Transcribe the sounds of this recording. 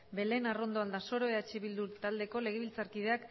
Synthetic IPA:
be̞le̞naro̞nd̪o̞ald̪aso̞ɾo̞eat͡ʃeβild̪ut̪ald̪e̞ko̞le̞ɣ̞e̞βilt͡saɾkiðe̞ak

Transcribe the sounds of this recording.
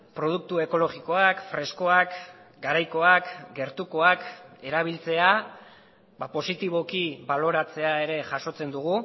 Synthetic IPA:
pɾo̞ð̞uk̚t̪ue̞ko̞lo̞ɣiko̞akfɾe̞sko̞ak | ɡaɾajko̞akɡe̞ɾt̪uko̞ake̞ɾaβ̞ilt͡se̞a | bapo̞sit̪iβ̞o̞kiβalo̞ɾat͡se̞ae̞ɾe̞ʝaʃo̞t͡se̞nd̪uɣ̞u

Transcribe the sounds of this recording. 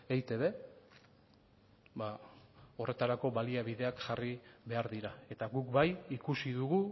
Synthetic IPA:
ejt̪e̞βe̞ | bao̞re̞t̪aɾako̞βaliaβiðe̞akʝariβe̞aɾðiɾae̞t̪aɣukbajikusiðuɣu

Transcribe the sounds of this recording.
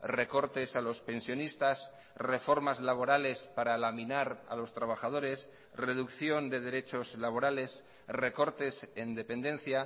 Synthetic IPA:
re̞ko̞ɾt̪e̞salo̞spe̞nsjo̞nist̪as | re̞fo̞ɾmazlaβ̞o̞ɾale̞spaɾalaminaɾa̰lo̞st̪ɾaβ̞axað̞o̞ɾe̞s | re̞ðukθjo̞nd̪e̞ð̞e̞ɾe̞t͡ʃo̞zlaβ̞o̞ɾale̞s | re̞ko̞ɾt̪e̞send̪e̞pẽ̞nd̪e̞nθja

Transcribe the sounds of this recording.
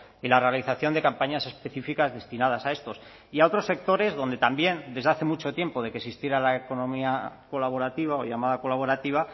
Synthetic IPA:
ilare̞aliθaθjo̞nd̪e̞kampaɲase̞spe̞θifikazðe̞st̪inað̞asae̞st̪o̞s | iao̞t̪ɾo̞sːe̞k̚t̪o̞ɾe̞zðo̞nd̪e̞t̪ambje̞nd̪e̞zðaθe̞mut͡ʃo̞t̪je̞mpo̞ðe̞kesist̪jeɾalaeko̞nõ̞miako̞laβo̞ɾat̪iβ̞ao̞ʝamaðako̞laβ̞o̞ɾat̪iβ̞a

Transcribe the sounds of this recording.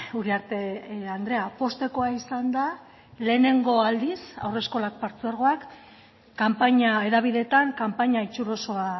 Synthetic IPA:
uɾiaɾt̪e̞and̪ɾe̞apo̞st̪e̞ko̞aisand̪a | le̞ːne̞ŋɡo̞ald̪isa̰wre̞sko̞lak̚paɾt͡seaɾɣ̞o̞akː | ampaɲae̞ðaβ̞iðe̞t̪aŋkampaɲait͡ʃuɾo̞so̞a

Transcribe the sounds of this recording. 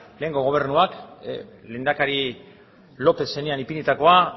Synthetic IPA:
le̞ːŋɡo̞ɣ̞o̞β̞e̞rnuak | le̞nd̪akaɾi | lo̞pe̞se̞neanipinit̪ako̞a

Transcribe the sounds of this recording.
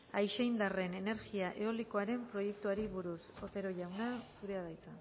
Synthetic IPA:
ajʃejnd̪are̞ne̞ne̞ɾɣiaʔe̞o̞liko̞aɾe̞mpɾo̞je̞k̚t̪uaɾiβuɾuso̞t̪e̞ɾo̞ʎawnasuɾe̞að̞ajt͡san

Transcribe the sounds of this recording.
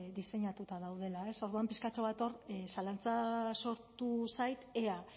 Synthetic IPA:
d̪ise̞ɲat̪ut̪aðawð̞e̞lae̞so̞ɾðuampiskat͡ʃo̞βat̪o̞rsalant͡saso̞ɾt̪usajt̪ea

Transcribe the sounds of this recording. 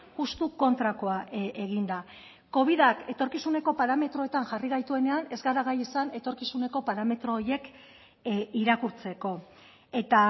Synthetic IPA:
ɣust̪uko̞nt̪ɾako̞ae̞ɣ̞ind̪a | ko̞β̞iðake̞t̪o̞ɾkisune̞ko̞paɾame̞t̪ɾo̞e̞t̪aŋʝariɣ̞ajt̪ue̞ne̞ane̞zɣaɾaɣ̞ajisane̞t̪o̞ɾkisune̞ko̞paɾame̞t̪ɾo̞ːɾje̞k | iɾakuɾt͡se̞ko̞ | e̞t̪a

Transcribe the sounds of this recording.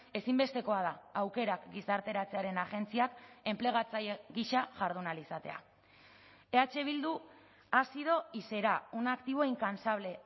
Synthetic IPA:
e̞simbe̞st̪e̞ko̞að̞aawke̞ɾakɡisaɾt̪e̞ɾat͡se̞aɾe̞naʝe̞nt͡siake̞mple̞ɣ̞at͡sajeɣiʃaʝaɾð̞unalisat̪e̞̰a̰ | e̞at͡ʃe̞β̞ild̪u | asið̞o̞ise̞ɾaunakt̪iβ̞o̞iŋkansaβ̞le̞

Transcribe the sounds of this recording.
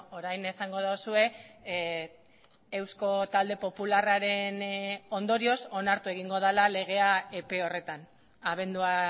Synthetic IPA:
oɾajne̞saŋɡo̞ðosue̞ | e̞wsko̞t̪ald̪e̞po̞pularaɾe̞no̞nd̪o̞ɾio̞so̞naɾt̪ue̞ɣiŋɡo̞ð̞alale̞ɣ̞e̞ae̞pe̞o̞re̞t̪an | aβ̞e̞nd̪ua

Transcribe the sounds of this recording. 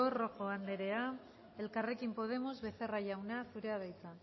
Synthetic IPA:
orokoand̪e̞ɾe̞a | e̞lkare̞kimpo̞ð̞e̞mozβe̞θe̞raʝawnaθuɾeað̞ajt͡sa

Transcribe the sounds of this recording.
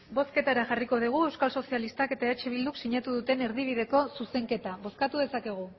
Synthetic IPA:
bo̞ske̞t̪aɾaʝariko̞ð̞iɣ̞ue̞wskalso̞sialist̪ake̞t̪aeet͡ʃeβ̞ild̪uksiɲat̪uðut̪e̞ne̞ɾðiβ̞iðe̞ko̞suse̞ŋke̞t̪aβo̞skat̪uðe̞sake̞ɣ̞u

